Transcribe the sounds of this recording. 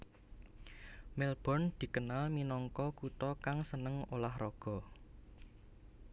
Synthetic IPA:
mɛlb̥ɔ̤nd̪̥i̤kənalminɔŋkɔkut̪ɔkaŋsənəŋolahrɔɡ̥ɔ̤

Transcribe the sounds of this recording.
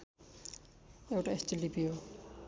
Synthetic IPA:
ewʈaestilipijo

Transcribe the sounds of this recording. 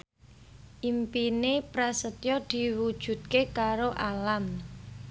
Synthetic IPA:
ʔimpinepɾasət̪jɔd̪̥i̤wud̥ʒ̥ṳt̪̚kekaɾoʔalam

